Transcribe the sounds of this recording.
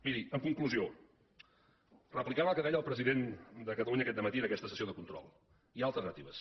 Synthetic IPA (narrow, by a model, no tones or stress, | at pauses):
miðiəmkuŋkluzio | rəplikaβəlˠkəðɛʎəlˠpɾəziðend̪əkət̪əluɲəkɛt̪d̪əmət̪iənəkɛst̪əsəsioðəkunt̪ɾɔ̰lˠ | ialˠt̪əɾrnət̪iβəs